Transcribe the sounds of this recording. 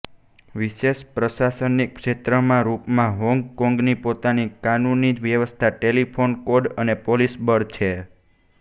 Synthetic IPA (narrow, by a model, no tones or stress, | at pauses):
ʋiʃeʃpɾəʃasənikkʃet̪ɾəmãɾupmãɦɔ̃ŋɡkɔ̃ŋɡnipot̪anikanunːid͡ʒʋjəʋəst̪ʰaʈelipʰonkoɖənepolisbəɽt͡ʃʰe